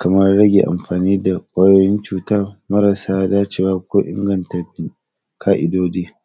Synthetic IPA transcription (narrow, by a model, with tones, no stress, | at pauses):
kɐ˨mɐ˦rɽɐ˦ɡʲḛ˨ʔa̰˨mɸaː˨niː˦da˨kʷʼɐ˦joː˨jɪ˦nt͡ʃuː˨taː˦mɐ˦ɾɐ˨saː˦daː˦t͡ʃeː˨waː˦kʷoː˦ʔɪ̰˦ŋɡɐ˨ntɐ˨ɸɪ˦ŋ | kʰaː˦ʔɪ˨doː˦deː˦